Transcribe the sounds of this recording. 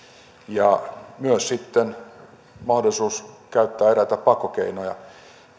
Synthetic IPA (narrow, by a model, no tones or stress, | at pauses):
jɑmyøssit̪ːen | mɑhdolisuːskæyt̪ːæːeræt̪æppɑkokeinojɑ